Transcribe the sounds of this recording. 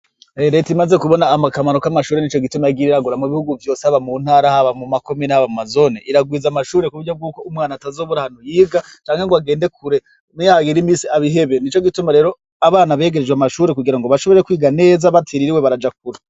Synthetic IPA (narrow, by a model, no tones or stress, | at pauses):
eɾetimaze̞kuβo̞naːmakamaɾokamaʃuːɾenit͡ʃo̞ɡitumajaɡiːɾiɾaɡuɾamuβihuɡuvjo̞ːsehaβamunhaːɾahaβamumako̞minehaβamumazo̞neʔiɾaɡwiːzamaʃuːɾe̞kuβuɾɟob̚ɡuːko̞umŋaːnatazoːβuɾahanujiːɡa | t͡ʃaːŋheŋɡoaɡe̞ːnde̞kuɾe̞ | naɡiɾimiːsiaβiɦe̞βenit͡ʃo̞ɡitumaɾe̞ːɾo | aβaːnaβe̞ːɡeɾed͡ʒɡweamaʃuːɾekuɡiɾaŋɡoβaʃo̞βo̞ɾekwiːɡane̞ːzaβatʰiɾiɾiweβaɾad͡ʒak̚uɾa